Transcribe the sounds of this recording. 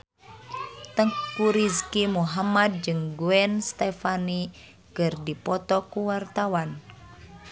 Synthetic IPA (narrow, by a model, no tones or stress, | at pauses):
t̪əŋkuɾiskimuɦamad̚d͡ʒɨŋɡuɛnst̪ɛfani | kɨrdipɔt̪ɔkuwart̪awan